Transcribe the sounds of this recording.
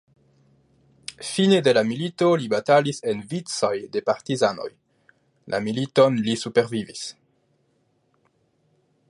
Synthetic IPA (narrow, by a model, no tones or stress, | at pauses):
finede̞lamilito̞libatalise̞nvit͡sojde̞paɾtizano̞̰j | lʔa̰milito̞nlisupeɾvivis